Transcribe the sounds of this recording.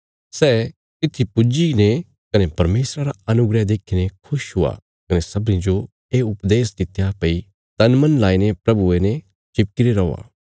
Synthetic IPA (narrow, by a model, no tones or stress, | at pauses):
sɛː | t̪ɪt̪ʰːipʊd͡ʒine | kɐnepɐɾmeːsɾaɾaɐnʊɡɾɛd̪eːkʰinekʰʊʃɦʊa̰ | kɐnesɐbnĩd͡ʒo | eːʊpd̪eːsd̪ɪt̪ʰːjapɐi | t̪ɐnmɐ̃nlaːinepɾɐbuene | t͡ʃɪp̚kɪɾeɾɐːa̰ː